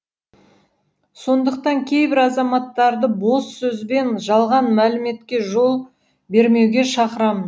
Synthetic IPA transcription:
so̞nd̪əqt̪ɑŋkʲʰe̞jbɪɾɑzɑmɑt̪ːɑɾd̪əbo̞sːɵzbe̞nʒɑlˠʁɑnmælɪme̞t̪kʲe̞ʒo̞lˠ | be̞ɾme̞wɡʲe̞ʃɑqəɾɑmən

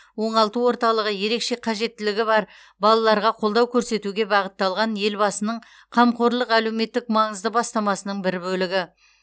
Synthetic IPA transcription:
wo̞ɴɑlˠt̪əwo̞ɾt̪ɑlˠəʁəje̞ɾe̞kʃe̞qʰɑʒe̞t̪ːɪlɪɡʲɪbɑɾ | bɑlˠɑlˠɑɾʁɑqʰo̞lˠd̪ɑwkʲʰɵɾse̞t̪uɡʲe̞bɑʁət̪ːɑlˠʁɑnje̞lbɑsənəɴ | qʰɑmqo̞ɾlˠəqælewme̞t̪ːɪkmɑɴəzd̪əbɑst̪ɑmɑsənəɴbɪɾbɵlɪɡʲɪ

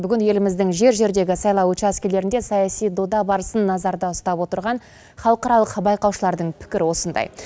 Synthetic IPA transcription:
bʏɡʲɪnje̞lɪmɪzd̪ɪŋʒe̞ɾʒe̞ɾd̪e̞ɡʲɪsɑjlˠɑwɵt͡ʃæskʲele̞ɾɪnd̪esɑjɑsijd̪o̞d̪ɑbɑɾəsənːɑzɑɾd̪ɑʊst̪ɑpwo̞t̪əɾʁɑn | χɑlˠəqɑɾɑlˠəqbɑjqɑwʃəlˠɑɾd̪əɴpʰɪ̥kʲɪɾɪwo̞sənd̪ɑ̰j

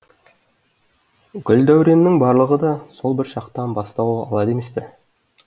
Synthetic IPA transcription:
ɡʲʏld̪æwɾe̞nːɪŋbɑɾlˠəʁəd̪ɑso̞lˠbɪɾʃɑqt̪ɑnbɑst̪ɑwɑ̰lˠɑd̪e̞me̞spɪ

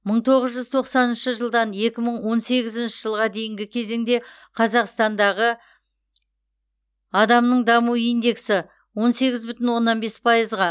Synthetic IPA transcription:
məɴt̪ʰo̞ʁəzʒʏzt̪ʰo̞qsɑnɪnʃəʒəlˠd̪ɑnje̞kʲɪməɴwo̞nse̞ɡʲɪzɪnʃɪʒəlˠʁɑd̪e̞jɪŋɡʲɪkʲʰe̞ze̞ŋd̪e̞ | qʰɑzɑqst̪ɑnd̪ɑʁə | ɑd̪ɑmnəɴd̪ɑmuijnd̪e̞ksɪ | wo̞nse̞ɡʲɪzbʏt̪ɪnwo̞nːɑnbe̞spʰɑjəzʁɑ

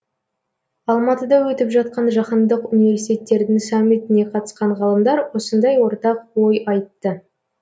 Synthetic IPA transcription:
ɑlˠmɑt̪əd̪ɑwɵt̪ɪpʒɑt̪̚qɑnʒɑχɑnd̪əqunive̞ɾsit̪e̞t̪ːe̞ɾd̪ɪŋsɑmːit̪ɪne̞qʰɑt̪ə̥sqɑɴʁɑlˠəmd̪ɑɾwo̞sənd̪ɑjwo̞ɾt̪ɑqwojɑjt̪ːə

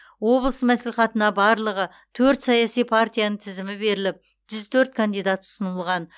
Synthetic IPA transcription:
wo̞blˠəsmæsliχɑt̪ənɑbɑɾlˠəʁə | t̪ʰɵɾt̪sɑjɑsijpʰart̪ʲijanəɴt̪ʰɪzɪmɪbe̞ɾɪlɪp̚ | ʒ̥ʏzt̪ʰɵɾt̪̚kʰand̪ijd̪at̪ʊ̥sənəlˠʁɑn

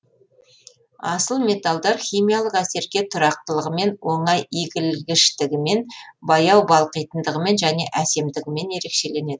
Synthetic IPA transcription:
ɑsəlˠmʲe̞t̪ɑlˠd̪ɑɾχʲijmijalˠəqæse̞ɾɡʲe̞t̪ʰʊɾɑq̚t̪əlˠəʁəme̞nwo̞ɴɑjiɡʲɪlɡʲɪʃt̪ɪɡʲɪme̞nbɑjɑwbɑlˠqəjt̪ənd̪əʁəme̞nʒæne̞ʔæse̞md̪ɪɡʲɪme̞ne̞ɾe̞kʃe̞le̞ne̞d̪ɪ

